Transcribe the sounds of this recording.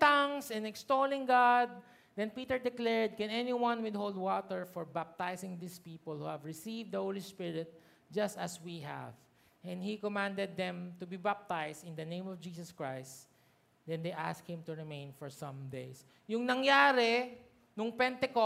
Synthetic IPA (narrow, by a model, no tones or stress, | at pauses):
t̪aŋsɛ̃nɛkst̪olɪ̃ŋɡad̪̚ | d̪ɛ̃npit̪ɛɹd̪ɪklɛɹd̪̚kɛ̃nɛniwɐ̃nwɪd̪̚howlˠd̪̚wɔt̪ɛɹfɔɹbap̚t̪ajsɪ̃ŋd̪ispiːpɔlˠhuhævɹɪsivd̪ɐhowlispɪɹɪt̪̚ | d͡ʒɐst̪ɐswiɦæ̰v | ʔɛ̃nhikɔmãnd̪ɛd̪̚ːɛ̃mt̪ʊbibap̚t̪ajst̪ɪnd̪ɐnẽɪj̃mɔvd͡ʒiːsɔskɹajst̪ | d̪ɛ̃nd̪ejʔa̰sk̚hɪ̃mt̪ʊɹɪmẽɪ̃nfɔɹsɐ̃md̪ejs | jʊŋnɐŋjaːɾɛ | nʊŋpɛnt̪ɛkɔ